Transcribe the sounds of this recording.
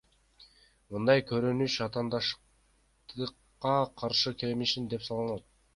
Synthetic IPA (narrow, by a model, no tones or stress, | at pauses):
mɯnd̪ɑjkʰɵɾynyt͡ʃɑt̪ɑːnd̪ɑʃ | t̪ɯqːɑqʰɑɾʃɯkʰelmiʃind̪e̞psɑlˠɑnɑt̪̚